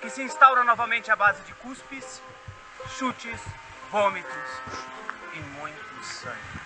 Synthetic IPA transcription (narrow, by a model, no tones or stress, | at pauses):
kɪsɪĩst̪awɾɐnɔvɐmẽnt͡ʃɪabazɪd͡ʒɪkuspɪs | ʃut͡ʃɪs | võmɪt̪ɾʊs | ẽmõj̃ɐ